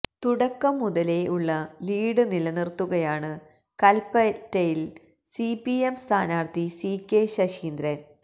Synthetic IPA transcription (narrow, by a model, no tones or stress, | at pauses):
t̪uɽɐkːɐmːuðɐle̞uɭːɐliːɽɨnilɐnirt̪ːuɣɐjaːɳɨ | kɐlpɐtːɐjil | sipiemst̪ʰaːnaːrt̪isiːkʲːe̞ːɕɐɕiːnd̪ɾen